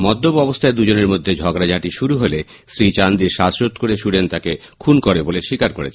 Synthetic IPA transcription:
mɔd̪ːobɔbost̪ʰaed̪ud͡ʑoneɾmod̪ʱːed͡ʑʱɔɡɾad͡ʑʱaʈiʃuɾuɦole | sɾit͡ɕand̪iɾʃasɾot̪koɾeʃuɽent̪ake | kʰunkoɾeboleʃikaɾkoɾḛt͡ɕʰ

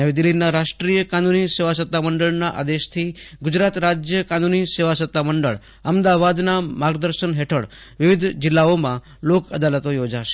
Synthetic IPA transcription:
əʋid̪ɪlːinaɾaʃʈɾijəkanuniseʋasət̪ːaməɳɖəɭnaʔa̰d̪eʃt̪ʰiɡʊd͡ʒɾat̪ɾad͡ʒjəkanuniseʋasət̪ːaməɳɖə̰ɭ | əmd̪aʋad̪namaɡd̪əɾʃənɦeʈʰəɭ | ʋɪʋɪd̪ʱd͡ʒɪlːaomã | lokəd̪alət̪ojod͡ʒaʃe̥

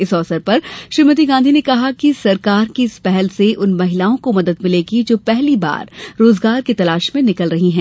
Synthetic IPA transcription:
ɪsɔːsəɾpɐɾʃɾiːmət̪̬iɡãːnd̪ʱinekɐɦakisɐɾkaːɾkiɪspɛɦɛlseʔʊnmɐɦɪlaːõkomɐd̪əd̪mɪleɡid͡ʒoːpɛɦliba̰ːɾːoːzɡaːɾkit̪ɐlaːʃmẽnɪkəlɾɐɦiɦɛ̃ː

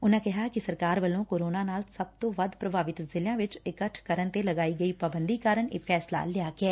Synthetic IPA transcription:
ʊnãːkɪɦaːkɪsəɾkaːɾʋəlõːkoːɾoːnaːnaːlsəb̚t̪õːʋəd̪pɾəbʱaːʋɪt̪zɪlɪjãːʋɪt͡ʃɪkəʈʰkəɾənt̪eːləɡaːiːɡəiːpaːbənd̪iːkaːɾəɳḛːpʰɛːsla̰ːlɪaːɡɪɛː

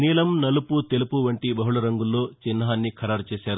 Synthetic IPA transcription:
niːlɐmnɐluput̪e̞lupuʋɐɳʈibɐɦuɭɐɾɐŋɡulːo̞ːt͡ʃinːɐɦaːnːikʰɐɾaːɾt͡ʃeːsaːɾu

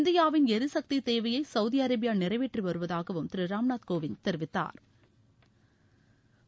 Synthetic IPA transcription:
ɪnd̪ɪjaːʋɪnɛɾɯsɐk̚t̪it̪eːʋɐjɐɪsɐʊðiɐɾɐbɪjaːnɪrɐɪʋeːʈriʋɐɾɯʋɐðaːɣɐʋɯmt̪ɪɾɯɾaːmnaːt̪koːʋɪnt̪ɛɾʋɪt̪ːa̰ːɾ

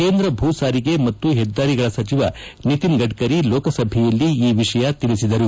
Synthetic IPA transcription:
keːnd̪ɾɐbʱuːsaːɾiɡe̞mɐt̪ːuɦɛd̪ːaːɾiɡɐɭɐsɐt͡ʃiʋɐ | nit̪inɡɐɖkɐɾiloːkɐsɐbʱijɐlːiiːʋiʂɐjɐt̪iɭisid̪ɐɾu

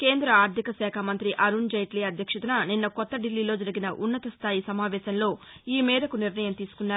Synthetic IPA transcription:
ke̞ːnd̪ɾɐaːɾd̪ʱikɐsɛːkʰamɐnt̪ɾiʔɐɾund͡ʒɐjʈliːɐd̪ʱjɐkʂɐt̪ɐnɐninːɐkɔt̪ːɐɖilːiːlo̞ːd͡ʒɐɾiɡinɐʔunːɐt̪ɐst̪ʰaːjisɐmaːʋɛːsɐnlo̞ː | iːmɛːd̪ɐkuniɾnɐjɐmt̪iːsu̥kunːaːɾu

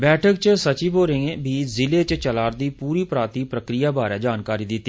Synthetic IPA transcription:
bɛːʈʰəkt͡ʃsət͡ʃiːboːɾẽbʱiːzɪleːt͡ʃt͡ʃəlaːɾd̪iːpuːɾiːpɾaːt̪iːpɾəkɾɪjaːbaːɾɛːd͡ʒaːnkaːɾiːd̪ɪt̪ːiː

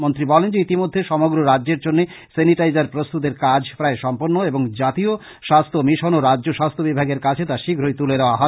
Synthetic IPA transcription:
mont̪ɾibɔlend͡ʑeit̪imod̪ʱːeʃɔmoɡɾoɾadːʑeɾd͡ʑonːe | seniʈajd͡ʑaɾpɾost̪ut̪̬eɾkad͡ʑʱpɾaeʃɔmpoɾnːoeboŋd͡ʑat̪io | ʃast̪ʰomiʃonoɾadːd͡ʑoʃast̪ʰobibʱaɡeɾkat͡ɕʰet̪aʃiɡʱɾojt̪uled̪eoaɦɔ

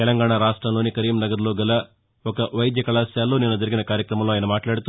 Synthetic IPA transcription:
t̪ɛlɐŋɡaːɳaɾaːʂʈɾɐmloːnikɐɾiːmnɐɡɐɾloːɡɐlɐ | ɔkɐʔʋɐjd̪jɐkɐɭaːsjaːlːoːnenːɐd͡ʒɐɾiɡinɐkaːɾjɐkɾɐmɐmloːjɐnɐmaːʈlaːɽit̪u

